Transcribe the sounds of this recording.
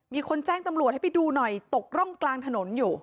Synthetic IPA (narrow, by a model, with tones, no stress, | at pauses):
miː˧kʰo˧nt͡ɕɛː˥˩ŋt̪a˧mɾu˨˩t̪̚ha˥˩pa˧˩jduː˧nɔ˨˩jt̪o˨˩k̚ɾɔ˥˩ŋklaː˧ŋt̪ʰa˧no˩˦njuː˨˩